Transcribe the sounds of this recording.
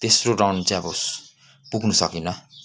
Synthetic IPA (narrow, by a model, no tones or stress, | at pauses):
t̪esroɖawnt͡sãʌbos | puɡʱnusʌkinʌ